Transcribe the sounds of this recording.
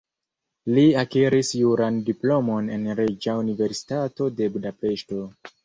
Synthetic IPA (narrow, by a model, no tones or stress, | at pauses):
liakeɾisjuɾandiplo̞mo̞ne̞nɾed͡ʒaunive̞ɾsi̥tato̞de̞budape̞ʃto̞